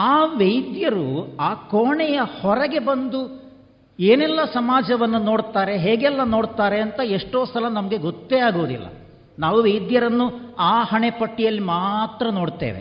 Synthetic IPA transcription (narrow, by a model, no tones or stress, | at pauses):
aːʋejd̪jɐɾuaːkoːɳɛjɐhɔɾɐɡe̞bɐnd̪u | eːnɛlːɐsɐmaːd͡ʒɐʋɐnːuno̞ːɽt̪aːɾe̞ɦeːɡɛlːɐno̞ːɽt̪aːɾe̞ɐnt̪ɐeʂʈo̞ːsɐlɐnɐmɐɡe̞ɡot̪ːeaːɡoːd̪ḭlːɐ̰ | naːʋuʋejd̪jɐɾɐnːuaːhɐɳepɐʈːijɐlːimaːt̪ɾɐnoːɽt̪ḛːʋḛ